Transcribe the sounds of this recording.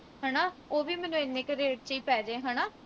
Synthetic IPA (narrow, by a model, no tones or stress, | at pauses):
ɦɛːnaːoːʋiːmɛːnũːenːeːkɾeːʈ̚t͡ʃiːpɛːd͡ʒẽːɦɛːnaː